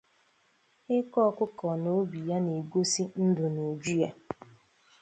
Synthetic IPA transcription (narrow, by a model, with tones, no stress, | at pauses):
ɪ˦kɔ˦˨kʷʊ˦kɔ˨no˦bi˨ja˦ne˨ɡʷo˦si˦n̩˦dʊ˨nu˨d͡ʒu˦ja˦